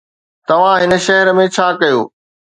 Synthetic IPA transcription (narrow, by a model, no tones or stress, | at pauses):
t̪ɐʋ̤ãɦɪnə̆ʃɐɦəɾəmẽt͡ɕʰaːkɐjoː